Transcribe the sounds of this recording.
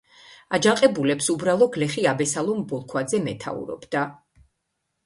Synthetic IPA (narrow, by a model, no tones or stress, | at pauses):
ad͡ʒaqʼɛbulɛpsubɾalˠɔɡlɛχiabɛsalˠɔmbɔlˠkʰwad̪zɛmɛt̪ʰa̰ṵɾɔ̰bd̪a